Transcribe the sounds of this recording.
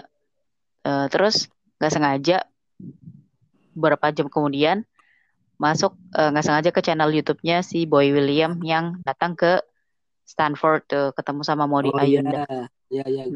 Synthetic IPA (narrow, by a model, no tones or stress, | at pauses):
əːt̪əɾʊs | ŋɡaʔsəŋad͡ʒa | bəɾapad͡ʒamkəmudian | masʊk̚əŋɡaʔsəŋad͡ʒakət͡ʃanɛljut̪up̚ɲasiboiwiliamjaŋdat̪aŋkə | st̪anfɔrd̪̚əkət̪əmusamamodiʔajunda